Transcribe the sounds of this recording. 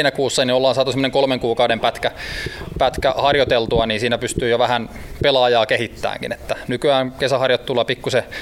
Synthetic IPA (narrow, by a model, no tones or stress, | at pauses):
nækuːsːɑniolːɑːnsɑːt̪usemːoneŋkolmeŋkuːkɑudempæt̪kæpæt̪kæhɑrjot̪elt̪uɑniːnsiːnæpyst̪yːjoʋæhænpelɑːjɑːkehit̪ːæ̰ːŋkḭnet̪ːænykyæːnkesæhɑrjot̪t̪ːulːɑpikːuse